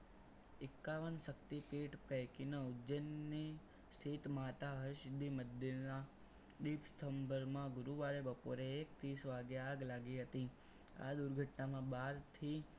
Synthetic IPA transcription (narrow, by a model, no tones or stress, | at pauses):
ɪkːaʋənʃəkt̪ipiʈpəjkinəud͡ʒənːi | st̪ʰit̪mat̪aɦəʃd̪ʱiməd̪ːiɾna | d̪ipst̪ʰəmbəɾmãɡʊɾuʋaɭebəpo̰ɾeːkt̪isʋaɡjaaɡlaɡiɦət̪i | a̰d̪uɾɡʱəʈnamãbaɾt̪ʰi